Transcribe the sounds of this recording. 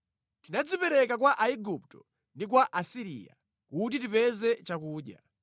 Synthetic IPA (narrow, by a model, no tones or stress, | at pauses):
tinad͡zipɛɾɛkakwaʔaiɡuptɔ | ndik̬waʔasiɾḭja̰ | kut̬itipɛzɛt͡ʃakuːɗja̰